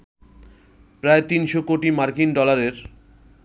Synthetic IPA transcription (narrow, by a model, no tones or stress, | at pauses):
pɾaet̪inʃokoʈimaɾkinɖɔlaɾeɾ